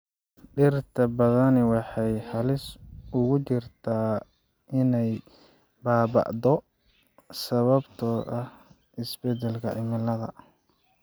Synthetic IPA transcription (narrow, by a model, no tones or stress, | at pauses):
ɖɪrt̪ʰɐbɐðɐnɛwɑħɑjħɑlɪsʊɣʊt͡ʃɪrt̪ʰaː | ʔɪnɛj | baːbɑ̰ʔd̪ɔ | sɐβɐbt̪ʰɔːɐh | ɪsbɛd̪ɛlkʰɐʔɪmɪlɐðɐ̰